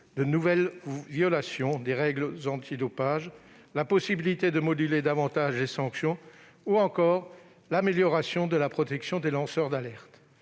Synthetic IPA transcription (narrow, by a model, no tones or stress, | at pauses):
d̪ənuvɛlvjɔlasjɔ̃d̪eʁɛɡlzɑ̃t̪ʰid̪ɔpaʒ | lapɔsibilit̪ed̪əmɔd̪yled̪avɑ̃t̪aʒlesɑ̃ksjɔ̃ | uɑ̃kɔʁ | lameljɔʁasjɔ̃d̪əlapχɔt̪ɛksjɔ̃d̪elɑ̃sœʁd̪alɛʁt̪